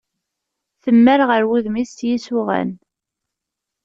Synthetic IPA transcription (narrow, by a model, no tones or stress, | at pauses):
θəmːəɾʁəɾwiðmist̪jisʊʁæ̰n